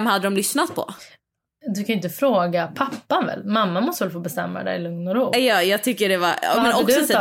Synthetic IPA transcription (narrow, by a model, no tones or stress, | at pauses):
mhad̪ːəd̪ɔmlʏsnat̪̚pʰɔ̰ | d̪ɵkʰajʏɪnt̪əfɾoːɡapʰapːanvɛ̰lːmamːamɔst̪əvɛlfoːbɛst̪ɛ̰mːa̰d̪ɛ̰jlɵŋnɔɾuːjɑːjɑːɡ̚t̪ʰʏkːəɖɛvaɾ̰mɛnɔksɔsɛ